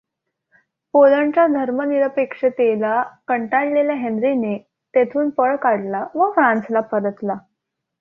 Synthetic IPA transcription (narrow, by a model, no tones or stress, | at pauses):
poləɳt͡ɕad̪ʱəɾməniɾəpekʂət̪elakəɳʈaɽleljaɦend̪ɾine | t̪et̪ʰuːnpəɭkaɽlaʋəfɾãnslapəɾət̪la